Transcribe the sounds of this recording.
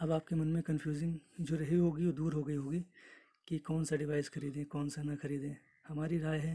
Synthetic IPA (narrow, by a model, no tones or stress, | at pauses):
ɐbaːp̚kemɐnmẽkɐ̃nfʰjuːzɪ̃ŋd͡ʒoːɾɐɦiɦoːɡiod̪uːɾɦoɡɐiɦoːɡi | kikɔːnsaɖɪʋaːɪsxɐɾiːd̪ẽːkɔːnsanɐxɐɾiːd̪ẽː | hɐmaːɾiɾaːjɦɛː